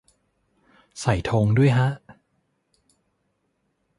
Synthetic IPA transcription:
sa˨˩jt̪ʰoː˧ŋdu˥˩əjɦʰa˦˥ʔ

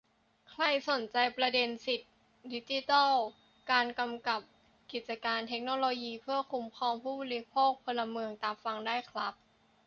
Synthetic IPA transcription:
kʰla˧˥˩jso˨˩˦nt͡ɕa˧jpɾa˧de˧nsi˨˩t̪̚ | di˦˥t͡ɕi˧˦˥t̪ɔ˥˩w | kaː˧nka˧mka˨˩p̚ | ki˨˩t̪̚t͡ɕa˧kaː˧nt̪ʰe˦˥k̚noː˧loː˧jiː˧pʰɯ˥˩əkʰu˧mkʰɔː˧mpʰuː˥˩bɔː˧˨˧li˦˥pʰoː˥˩k̚pʰo˧nla˧mɯ˧əŋt̪aː˧mfa˧ŋdaː˥˩jkʰla˦˥p̚

